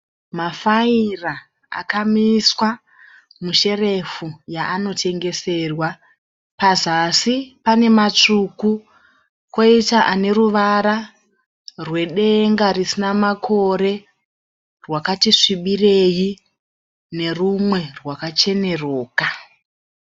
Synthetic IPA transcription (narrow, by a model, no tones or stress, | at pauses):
mafaira | a̰kamiswa | muʃe̞re̞fujaʔano̞tʰe̞ŋɡe̞se̞ːrwa | pazasipane̞mat͡ʂuku | ko̞itaʔane̞ɾuʋaɾa | rwe̞ɗe̞ŋɡarisinamakʰo̞ɾe̞ | rwakatiʂiɓire̞ji | ne̞rumwe̞rwakat͡ʃe̞ne̞roːka